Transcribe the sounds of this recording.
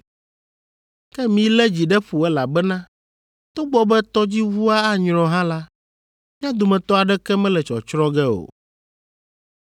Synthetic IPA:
kɛ˦mĩ˨lɛ˦d͡ʑi˨ɖɛ˦ɸu˨ɛ˦la˨bɛ˦nã˦ | t̪o˦ɡ͡bɔ˦bɛ˦t̪ɔ˦d͡ʑi˦wu˦a˦a˦ɲɾ̃ɔ̃˨ɦã˦la˦ | mĩ˦ã˦d̪o˨mɛ̃˨t̪ɔ˦a˨ɖɛ˦kɛ˦mɛ̃˦lɛ˨t͡ʃɔ̰˨t͡ʃɾɔ̃˦ɡɛ˦o̰˨

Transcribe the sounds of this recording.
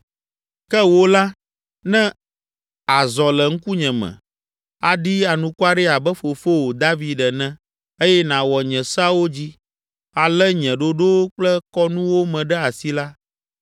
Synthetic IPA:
kɛ˦wo˦la˦ | nɛ̃˦ | a˨zɔ˨lɛ˨ŋ̩˦ku˦ɲɛ̃˨mɛ̰̃˨ | a˨ɖi˦a˨nũ˨ku˦a˦ɖɛ˦a˨bɛ˦fo˨fo˦wo˨d̪a˦vi˦ɖɛ˨nɛ̃˦ | e˦jɛ˦nã˨wɔ˨ɲɛ̃˨sa˦wo˦d͡ʑi˦ | a˨lɛ˦ɲɛ̃˨ɖo˦ɖo˦k͡plɛ˦kɔ˦nũ˦wo˦mɛ̃˨ɖɛ˦a˨si˦la˦

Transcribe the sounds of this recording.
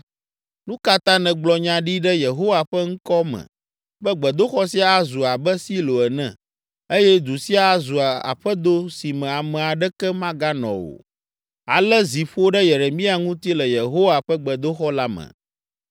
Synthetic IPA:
nũ˦ka˦t̪ã˦nɛ̃˨ɡ͡blɔ˨ɲã˨ɖi˦ɖɛ˦je˨ɦo˦wa˨ɸɛ˦ŋ̩˦kɔ˦mɛ̰̃˨ | ɸɛ˦ɡ͡bɛ˨d̪o˦xɔ˦si˦a˦a˦zu˨a˨bɛ˦si˦lo˨ɛ˨nɛ̰̃˨ | e˦jɛ˦d̪u˨si˦a˦zu˨a˨a̰˨ɸɛ˦d̪o˦si˨mɛ̃˨a˨mɛ̃˨a˨ɖɛ˦kɛ˦mã˦ɡa˦nɔ̰̃˨wo̰˨ | a˨lɛ˦zi˨ɸo˦ɖɛ˦je˨ɾe˨mĩ˦a˦ŋũ˦t̪i˦lɛ˨je˨ɦo˦wa˨ɸɛ˦ɡ͡bɛ˨d̪o˦xɔ˦la˦mɛ̰̃˨

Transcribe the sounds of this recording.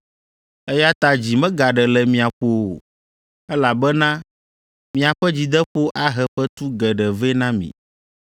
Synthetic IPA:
ɛ˦ja˦t̪a˨d͡ʑi˨mɛ̃˦ɡa˨ɖɛ˨lɛ˨mĩ˨a˨ɸo˨ | ɛ˦la˨bɛ˦nã˦ | mĩ˦a˨ɸɛ˦d͡ʑi˨d̪ɛ˦ɸo˦ʔa˦ɦɛ˨ɸɛ˦t̪u˦ɡɛ˨ɖɛ˨vɛ˦nã˦mḭ̃˨

